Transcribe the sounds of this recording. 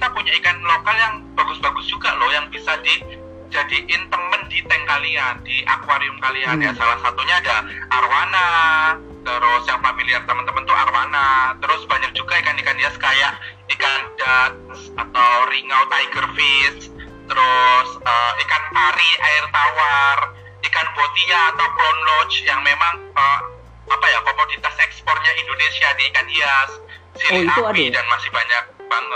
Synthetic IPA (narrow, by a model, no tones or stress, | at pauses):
napuɲaikanlɔkaljaŋbaɡʊsbaɡʊsd͡ʒuɡaʔlɔhjaŋbisadi | d͡ʒadiʔɪnt̪əməndit̪ɛŋkaliandiʔa̰kwaɾiʊmkalianjasalahsat̪uɲaːdaaɾwana | t̪əɾʊsjaŋfamiliart̪əmənt̪əmənt̪uʔa̰ɾwa̰nat̪əɾʊsbaɲak̚d͡ʒuɡaikanikaniaskajaʔikanda | s | at̪awriŋawt̪ajɡərfɪs | t̪əɾʊsəikanpaɾiʔaɪrt̪awar | nikanpot̪iaːt̪awkɔnlot͡ʃjaŋmemaŋə | apajakomodit̪asɛkspɔr̚ɲaʔindonesianiːkaniasː | iɾiapidanmasɪhbaɲak̚baŋ